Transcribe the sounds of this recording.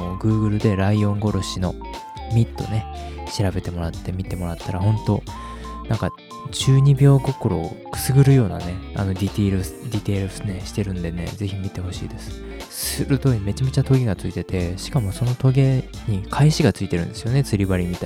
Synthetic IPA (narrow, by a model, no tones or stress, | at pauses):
ɡɯ̟ːɡɯ̟ɾɯ̟d̪e̞ɾaiõ̞ŋɡo̞ɾo̞ɕino̞̰ | mʲit̪ːo̞̰ne̞ | ɕiɾabe̞t̪e̞mo̞ɾat̪ːe̞mʲit̪e̞mo̞ɾat̪ːaɾaɦõ̞nt̪o̞ | nãŋka | t͡ɕɨːɲ̟ibʲo̞ːɡo̞ko̞ɾo̞ | kɯ̥sɨɡɯ̟ɾɯjo̞ːna̰ne̞a̰no̞d̪ʲit̪iɾɯd̪ʲit̪e̞ːɾɯneɕi̥t̪e̞ɾɯ̟̃nd̪e̞ne̞̰d͡ze̞çimʲit̪e̞ho̞ɕḭːd̪e̞sɨ̥ | sɨɾɯ̟t̪o̞ːiɲime̞t͡ɕamet͡ɕat̪o̞ɡʲe̞ɡat͡sɨit̪e̞t̪e̞ɕi̥kamo̞so̞no̞t̪o̞ɡe̞ | ɲ̟ikʰaiɕiɡat͡sɨit̪eɾɯ̟̃nd̪e̞sɨjo̞ne̞t͡sɨɾʲibaɾʲimʲit̪ai